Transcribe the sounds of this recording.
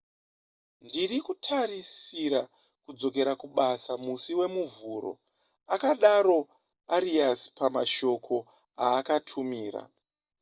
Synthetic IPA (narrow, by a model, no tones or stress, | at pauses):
ndirikutʰarisiɾa | kud͡zo̞k̬e̞ɾakuɓasamusiwe̞muvuːɾo̞̰ | akaɗaɾo̞ | aɾiaspamaʃo̞kʰo̞ | aːkatʰumiːra̰